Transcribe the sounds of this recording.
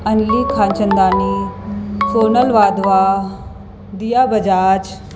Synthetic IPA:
ɐnliːkʰaːnt͡ʃənd̪aːni | foːnəlʋaːd̪ʋaː | d̪ijaːbɐd͡ʒaːt͡ʃ

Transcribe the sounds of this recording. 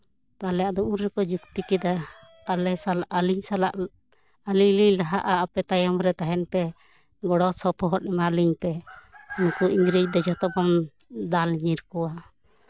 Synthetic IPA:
t̪alɛjaʔd̪ɔʔuɾɾɛkɔd͡ʒukt̪ikɛd̪aː | lɛsalaʔaliɲsalaʔ | aliɲliɲlaɦaʔaːpɛt̪ajɔmɾɛt̪aɦɛnpɛ | ɡɔɽɔsɔpʰɔɦɔt̪̚nɛmaliɲpɛnukuʔiŋɡɾid͡ʒ̚d̪ɔd͡ʒɔt̪ɔbɔm | d̪alɲiɾkɔwa

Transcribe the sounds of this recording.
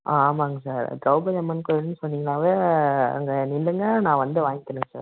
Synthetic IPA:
ʔaːmaːŋɡɐsaːɾɖɾɐʊbɐd͡ʒɛmɐnkɔnːɯsɔnːiːŋɡɐnaːʋeːɐ̰ŋɡɐnɪlːɯŋɡɐnãːʋɐnd̪ɯʋaːŋɡɪkːɐɽɯ̃ŋɡɐsa̰ːɾ

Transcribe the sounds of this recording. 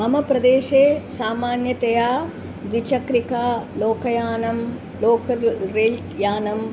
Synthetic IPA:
mɐmɐpɾɐd̪eːʃeːsaːmaːnjɐt̪ɐjaː | ʋʋit͡ʃɐkɾikaːloːkɐjaːnɐm | loːkɐɾeːl | jaːnɐm

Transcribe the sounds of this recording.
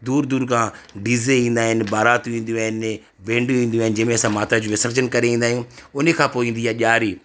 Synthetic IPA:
d̪uːɾd̪uːɾkʰãːɖizeĩːnd̪aːɦɪnbaːɾaːt̪ũĩːn̆d̪ijũaːɦɪn | ʋẽːɳɖuĩːnd̪jũaːɪnɪ̆d͡ʑɐ̃ɦmẽɐsãmaːt̪ɾad͡ʑũːʋɪsəɾt͡ɕənkɐɾeĩːnd̪aːɦijũʊnkʰãːpoːĩːnd̪ijaʄaːɾiː

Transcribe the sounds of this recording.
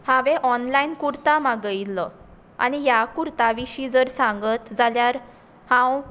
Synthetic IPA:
hãʋɛʔɔnlainkuɾt̪amaɡəilːə | a̰nijakuɾt̪aʋiɕiːd͡zəɾsãŋɡət̪d͡zaljaɾ | hãw

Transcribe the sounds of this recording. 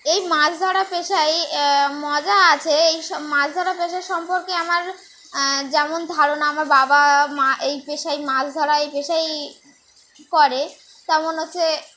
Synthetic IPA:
ejmad͡ʑʰd̪ʱɔɾapeʃajmɔd͡ʑaat͡ɕʰeejʃmad͡ʑʰd̪ʱɔɾapeʃaɾʃɔmpoɾkeamaɾ | d͡ʑɛmond̪ʱaɾonaamaɾbabamaʔejpeʃajmad͡ʑʰd̪ʱɔɾaejpeʃaj | kɔɾe | t̪ɛmonɦotːɕʰe

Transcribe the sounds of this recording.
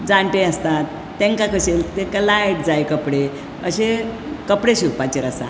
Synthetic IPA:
d͡zãɳʈeəst̪at̪ːẽŋkakəɕelt̪ekəlajʈ̚d͡zajkəpɽe | əɕe | kəpɽeɕiɾpat͡ɕiɾəsa̰

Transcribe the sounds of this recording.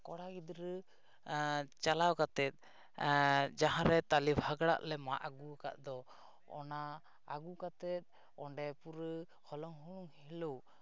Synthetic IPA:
kɔɽaɡid̪ɾə | t͡ʃalawkat̪ɛt̪̚ˀ | d͡ʒaɦãɾɛt̪alibʱaɡɽa̰ʔlɛma̰ʔaɡuka̰ʔd̪ɔ | ɔ̰naː | ɡukat̪ɛt̪̚ˀ | ɔɳɖɛpuɾə | hɔlɔŋɦuɽ̃ɔŋhiləw

